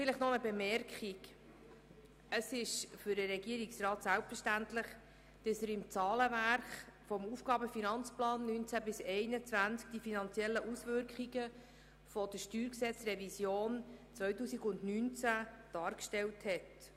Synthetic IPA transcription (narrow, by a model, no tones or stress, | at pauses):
fɪlɪχtnɔnəbɛmɛɾkχik | əsɪʃfʏɾdəɾɛɡiəɾiksrɑːtsælpfəʃtæntlɪχ | d̥ɑsəɾɪmt͡sɑːləvæɾχfɔmuːfɡ̥ɑːbəfinɑnt͡splɑːnːyːnt͡sæbɪsɛɪnət͡svænt͡skd̥ifinɑnt͡sjɛlːəʔusvʏɾkχiɡə | fɔd̥əʃtyːɾksɛt͡srɛvisjoːnt͡sʋœɥtuːsiɡʊndnyːnt͡sæ | d̥ɑːɾkʃtɛlthɛt